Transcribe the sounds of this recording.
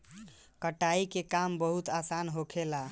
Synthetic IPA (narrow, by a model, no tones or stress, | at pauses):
kəʈaikekambəɦut̪asanɦokʰela